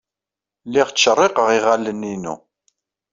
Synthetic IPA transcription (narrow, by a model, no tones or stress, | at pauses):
lːiʁt͡sːʃərˤːɪqəʁiʁælːəninṵ